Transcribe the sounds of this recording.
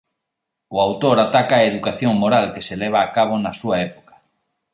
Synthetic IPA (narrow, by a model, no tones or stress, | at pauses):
ʊawt̪oɾat̪akaːeðukaθjoŋmoɾalkeselɛβ̞aːkaβ̞onasuaɛpo̥kḁ